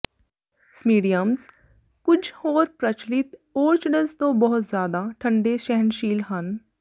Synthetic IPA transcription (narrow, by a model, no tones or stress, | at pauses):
smiːɖijəmz | kʊd͡ʒʰʱhoːɾpɾət͡ʃlɪt̪oːɾt͡ʃɖəzt̪õːbɔɦʊt̪zjaːd̪aʈʰə̃ɳɖeʃɛɦənʃiːlɦən